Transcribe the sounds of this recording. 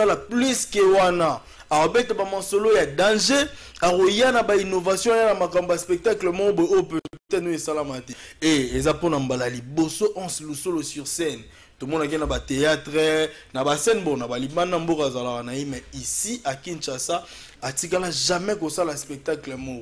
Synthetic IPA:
alaplyskɛwana | akobetabamasolojadãʒeakojanabainovasjɔ̃ajanamakambobaspɛk̚taklɛmɔobooptɛtnoesalamateeezaponambalalibosoʔɑ̃slusolosyʁsɛn | tomɔnak̬ɛnabateatʁɛ | nabasɛnbonabalibanambokazalakanajemɛisiʔakinʃasa | atikalaʒamɛkosalaspɛk̚taklɛmo

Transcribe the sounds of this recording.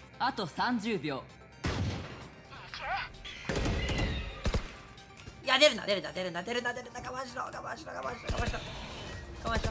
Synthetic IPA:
at̪o̞sãɲd͡ʑɨːbʲjo̞ː | iad̪eɾɯ̃nd̪a̰d̪eɾɯ̟nd̪ad̪eɾɯ̟nd̪ad̪eɾɯ̟nd̪ad̪eɾɯ̃nd̪akamaɕiɾokama̰ɕiɾo̰kamaiokamaɕit̪a | kamaɕi

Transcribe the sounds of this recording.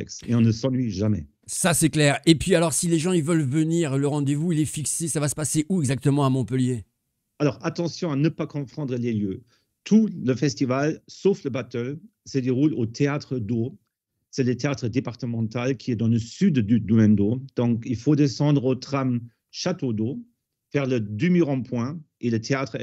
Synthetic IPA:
ɛ̰ksḛɔ̃nəsɑ̃lɥiʒamɛ̰ | sasɛklɛʁepɥialɔʁsileʒɑ̃ilvœlvəniʁləʁɑ̃d̪evuilɛfiksesavasə̥paseʔuɛɡzak̚t̪əmɑ̃amɔ̃pəlje | alɔʁat̪ɑ̃sjɔ̃anəpakɔ̃pχɑ̃d̪ʁəleljø | t̪ʰuləfɛst̪ivalsofləbat̪œl | səd̪eʁulot̪ʰeat̪χəd̪o | sɛlət̪eat̪χəd̪epaʁt̪əmɑ̃t̪alkʲʰiɛd̪ɑ̃ləsyd̪d̪yd̪ymɛmd̪od̪̥ɔ̃kilfod̪esɑ̃d̪ʁot̪χam | ʃat̪od̪o | fɛʁləd̪ymyʁɑ̃pwɛ̃ | elət̪ʰeat̪χ

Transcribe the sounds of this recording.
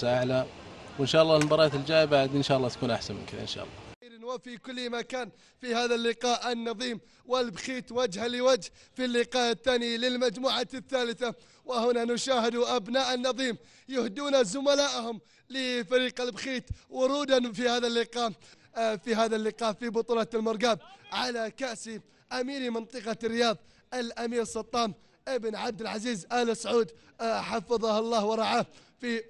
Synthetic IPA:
aʔaʕlawɪnʃaːʔɑlːˤɑːmbɑɾˤɑːt̪ɪld͡ʒaːjɪbaʕd̪nʃaːʔlːɑːt̪ḁkuːnʔaħsanmʊ̰nkɪnʔɪ̰nʃa̰ːʔɑlˤːɑ̰ɾnwafikʊlːmakaːn | fihaːðalːɪqɑːʔɪnːɑðˤiːm | wɪlbxiːt̪wad͡ʒhalɪwad͡ʒhfilːɪqɑːʔɪθːaːnilɪlmad͡ʒmuːʕaθːaːlɪθa | wɪhʊnanʊʃaːhɪd̪uʔabnaːʔanːɑðˤiːm | jʊhd̪uːnazʊmalaːʔhʊm | lɪfaɾiːqalbxiːt̪wʊɾˤuːd̪anfihaːðalːɪqɑːʔ | fiɦaːðalːɪqɑːʔfibʊt̪ˤuːlɑlmɑɾˤɡaːb̚ʕalakaʔsi | ʔamiːɾimɨnt̪ˤɨqɑrːɪjɑːðˤ | ʔalʔamiːɾsˤɑt̪ˤːɑːm | ʔɪbnʕab̚d̪ɪlʕaziːzʔaːlɪsʕuːd̪ | ħɑfɨðˤɑhɑlˤːɑːhwɑɾˤɑʕaː | fi

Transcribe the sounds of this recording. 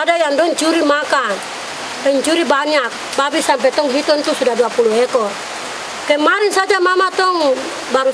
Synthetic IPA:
adajandɔɲt͡ʃuɾimakan | t̪ɔɲt͡ʃuɾibaɲak̚babisampɛt̪ɔŋɦit̪ɔnt̪usudaduapuluɦɛkɔ | kɛmaɾinsad͡ʒamamat̪ɔŋ | baɾu

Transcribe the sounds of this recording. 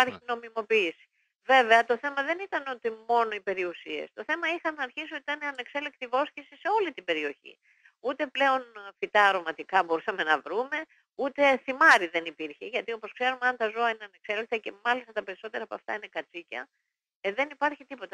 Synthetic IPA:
pɐɾçino̞mimo̞piːsi̥ | ve̞ve̞ɐt̪o̞θe̞mɐðe̞nit̪ɐno̞t̪imo̞no̞ipe̞ɾiusie̞̰st̪o̞θe̞mɐixɐnɐːɾçisiot̪it̪ɐneɐne̞kse̞lekt̪ivo̞scesise̞o̞lit̪ibe̞ɾio̞çḭ | ut̪e̞ple̞o̞nfit̪ɐɾo̞mɐt̪ikɐbo̞ɾisɐme̞nɐvɾume̞ | ut̪e̞θimɐɾiðe̞nipiɾçe̞ʝɐt̪io̞po̞skse̞ɾumeɐnt̪ɐzo̞ɐine̞ɐne̞kse̞lek̚t̪ɐce̞mɐlist̪ɐt̪ɐpe̞ɾiso̞t̪e̞ɾɐpɐ̰ft̪ɐ̰ine̞kɐt͡sicɐ̰ | ðe̞nipɐɾçit̪ipo̞t̪ɐ

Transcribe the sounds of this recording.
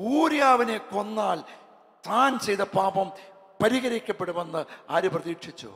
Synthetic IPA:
uːɾjaːʋine̞ko̞nːaːl | t̪ʰaːnt͡ɕe̞jðɐpaːbɐm | pɐɾiɣɐɾikʲːɐpːe̞ɽuʋenːɨaːɾuprɐðiːkʂit͡ɕːṵ

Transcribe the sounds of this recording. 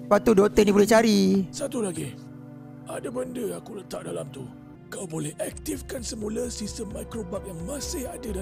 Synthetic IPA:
wat̪udot̪ənibolɛht͡ʃaɾisat̪ulaɡi | ʔadabəndəakulət̪aʔ̚dalamt̪u | kawbolɛhak̚t̪ifkansəmuləsistəmːajkɾobak̚jaŋmãsɪhadada

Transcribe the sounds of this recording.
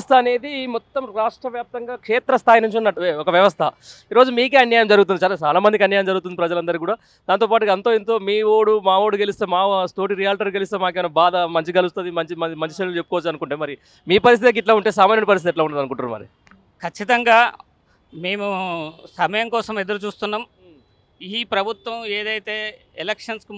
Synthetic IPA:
st̪ʰɐɐne̞ːd̪imɔt̪ːɐmɾaːʂʈɾɐʋjaːp̚t̪ɐŋɡaːkʂeːt̪ɾɐst̪ʰaːjinuɲt͡ʃunːɐːuɔkɐʋjɐʋɐst̪ʰɐiːɾo̞ːd͡ʒumiːkeɐnjaːjɐmd͡ʒɐɾuɡut̪undit͡ʃaːlat͡ʃaːlaːmɐnd̪ikɐnjaːjɐmd͡ʒɐɾɡut̪und̪ipɾɐd͡ʒɐlɐnd̪ɐɾikuːɽaː | d̪aːnt̪oːpaːʈuɐnt̪oːint̪o̞ːmiːʋoːɽumaːʋoːɽuɡelist̪eːmaːst̪o̞ːʈiɾijaːlʈɐɾɡelist̪eːmaːkeʋɐnɐbaːd̪ɐmɐɲt͡ʃiɡɐlust̪ɐd̪imɐɲt͡ʃimɐmɐɲt͡ʃi̥ʃeːɽult͡ʃepːukɔʋɐt͡ʃːuɐnukuɳʈeːmɐɾi | miːpɐɾist̪it̪ek̬iʈlaːuɳʈe̞ːs̬ɐmaːjnoɽipɐɾis̬t̪it̪ɛʈ̬laːuɳɖad̪ɐnukuɳʈuːɾumɐ̰ɾḭ | kʰɐt͡ʃːit̪ɐŋɡaː | me̞ːmusɐmɐjɐŋkɔːsɐmed̪ɐɾut͡ʃuːst̪unːaːm | iːpɾɐbʱut̪ʋɐmeːd̪ɐjt̪eː | elekʂɐnsku

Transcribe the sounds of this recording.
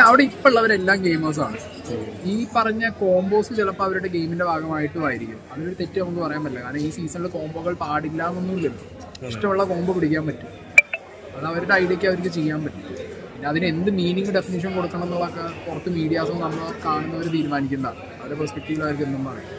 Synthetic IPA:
ɐʋiɽe̞ipːoɭːɐʋɐɾe̞lːaːmke̞jmɐːs̬a̰ːɳɨ | iːpɐrɐɲːɐko̞ːmbo̞ːsɨt͡ɕelɐpːɐɐʋɐɾuɽeɡe̞jminde̞bʱaːɡɐmaːjiʈːɨmaːjiɾikʲːunːuɐðiloɾut̪e̞tːɨnɐmukːɨpɐrɐjaːmɐlːɐkaːɾɐmiːsiːsɐnilko̞ːmboːɣɐɭpaːɽilːaːnonːuilːim | iʂʈɐmuɭːɐko̞ːmbopiɽik̬ʲːaːmpɐtːu̥m | ɐðɐʋɐɾuɽeɐjɽekːɐʋɐɾik̬ʲːɨt͡ɕe̞jːaːmpɐtːuɨpinːeɐðine̞nd̪ɨmiːniŋɡɨɖe̞finiʂ̬ɐnko̞ɽukːɐɳɐme̞nːuɭɐkːekurɐt̪ːɨmiːɽijaːsɐmnɐnːɐkːaːɳunːɐʋɐɾet̪iːɾumaːnikʲːunɐða̰ɳ | ɐʋɐɾepospek̚ʈiʋiɭɐʋɐɾkːenːumːɨpɐrɐ̰ja̰

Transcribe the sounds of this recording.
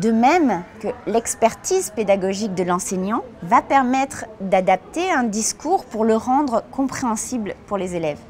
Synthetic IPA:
d̪əmɛmkəlɛkspɛʁt̪izped̪aɡɔʒik̚d̪əlɑ̃seɲɑ̃vapɛʁmɛt̪χd̪ad̪ap̚t̪eɛ̃d̪iskuʁpuʁləʁɑ̃d̪ʁkɔ̃pχeɑ̃siblpuʁlezelɛv

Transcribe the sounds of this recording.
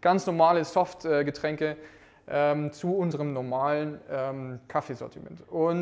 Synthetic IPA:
ɡ̥ant͡snɔɐmaːləzɔftɛːɡətʁ̥ɛŋkə | ʔɛːmt͡suʊnzəʁəmnɔɐmaːlənɛːmkʰafeːzɔ̰ɐtʰimɛ̰ntʊn

